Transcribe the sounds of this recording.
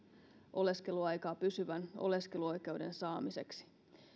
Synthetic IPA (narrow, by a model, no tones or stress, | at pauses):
ʔo̞le̞ske̞luɑjkɑːpysyʋæno̞̰le̞ske̞luo̞jke̞wde̞̰nsɑːmise̞̰ksi̥